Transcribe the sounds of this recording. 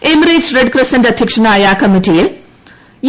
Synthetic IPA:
emɾiːd͡ʒreɖkɾɐsɐndɐd̪ʱjɐkʂɐnaːjaːkɐmiʈijil | j

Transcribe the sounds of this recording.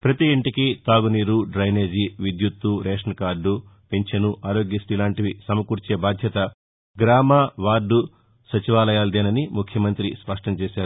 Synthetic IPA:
pɾɐt̪iːɳʈikit̪aːɡuniːɾuɖɾɐjneːd͡ʒiʋid̪jut̪ːuɾɛːʂɐnkaːɾɖːupeɲt͡ʃɐnuʔaːɾoːɡjisʈilaːɳʈiʋisɐmɐkuːɾt͡ʃeːbaːd̪ʱjɐt̪ɐ | ɡɾaːmaːʋaːɾɖu | sɐt͡ʃiʋaːlɐjaːld̪eːnɐnimukʰjɐmɐnt̪ɾispɐʂʈɐmt͡ʃɛːʃaːɾu

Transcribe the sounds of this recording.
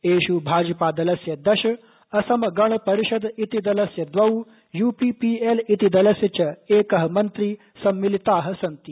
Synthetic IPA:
eːɕubʱaːd͡ʒɐpad̪ɐlɐsjɐd̪ɐɕɐ | ɐsɐmɐɡɐɳ̃pɐɾiɕɐd̪it̪id̪ɐlɐsjɐd̪ʋɐuː | juːpiːpiːelit̪id̪ɐlɐsjɐt͡ɕɐeːkɐɦɐmɐnt̪ɾiː | sɐmːilit̪aːɦə̆sɐnt̪i

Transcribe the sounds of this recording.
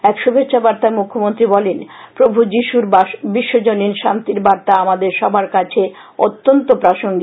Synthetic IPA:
ɛkʃubʱetːɕʰabaɾt̪aemukʰːomont̪ɾibɔlen | pɾobʱud͡ʑiʃuɾbiʃːod͡ʑoninʃant̪iɾbaɾt̪aamad̪eɾʃɔbʱaɾkat͡ɕʰe | o̰t̪ːont̪opɾaʃoŋɡi

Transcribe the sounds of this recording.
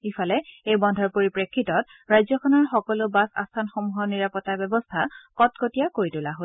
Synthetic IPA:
ifʰalɛejbɔndʱɔɹpoɹipɹekʰːitɔt | ɹajzɔkʰɔnɔɹxɔkɔlʊbasa̰stʰanxɔmuɦɔniɹapɔtabɛbɔstʰakɔt̚kotijakoɹitulaɦo

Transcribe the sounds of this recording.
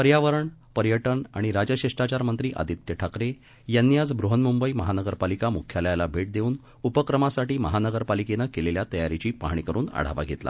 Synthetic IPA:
pəɾjaʋəɾəɳpəɾjəʈəɳa̰ɽ̃iɾad͡ʑəɕiʂʈat͡ɕaɾmənt̪ɾiːʔa̰d̪it̪jəʈʰakɾe | janːiad͡zbɾuɦənmumbəiməɦanəɡəɾpalikamukʰːjaljalabʱeʈ̚d̪euːn | upəkɾəmasaʈiːməɦanəɡəɾpalikenəkeleljat̪əjaɾit͡ɕiːpa̰ɦɳ̃ikəɾuːna̰ɽ̤a̰ʋa̰ɡʱet̪la̰

